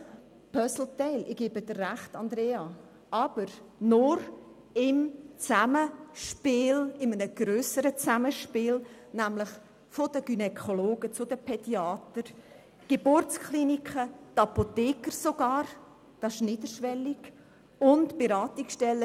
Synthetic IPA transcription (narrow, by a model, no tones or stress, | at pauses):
pʰœsl̩tɛɪlʔɪɡ̥ebədərːæχtɑnd̪ɾeːɑ | ɑb̥əɾnʊɾ | ɪmt͡saməʃpɪːlɪmənəɡ̥ɾøːsəɾət͡saməʃpɪːl | næmlɪχ | fod̥əɡ̥ynɛkʰoloːɡ̥ət͡sʊdəpʰɛdjiɑːt̪əɾ | ɡ̥ebʊrt͡skʰlinikʰət̪ɑpotɛːkəsoɡ̥ɑːɾ | d̥ɑsɪ̥ʃniːdəɾʃʋɛliɡ | ʊntb̥eɾɑːt̪ɪksʃtɛlːə